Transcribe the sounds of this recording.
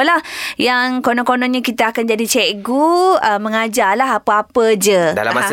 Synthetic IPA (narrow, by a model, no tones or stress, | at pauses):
əlahjaŋkonɔ̃konɔ̃nɲə̃kit̪əakand͡ʒadit͡ʃɛʔɡuəməŋad͡ʒalaɦapəapəd͡ʒəa̰a̰